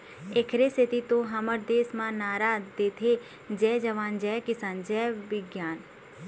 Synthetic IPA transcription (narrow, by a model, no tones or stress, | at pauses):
ekʰɾesɪt̪it̪õɦɐməɾd̪eːsmãnaːɾaːdd̪eːt̪ʰe | d͡ʒɛːd͡ʒɐʋaːnd͡ʒɛːkɪsaːnd͡ʒɛːʋɪɡjaːn